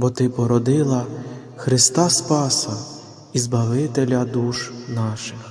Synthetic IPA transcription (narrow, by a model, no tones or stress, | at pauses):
bɔt̪ɪpɔɾɔd̪ɪlˠɐ | xɾɪst̪ɑspɑsɐ | izbɐʋɪt̪elʲɐd̪uʃnɑʃɪx